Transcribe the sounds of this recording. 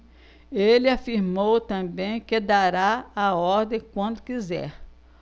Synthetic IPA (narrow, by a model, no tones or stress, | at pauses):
elɪafiɾmowt̪ɐ̃bẽj̃kɪd̪aɾaaɔɾd̪ẽj̃kwɐ̃nd̪ʊkizɛ̰ɾ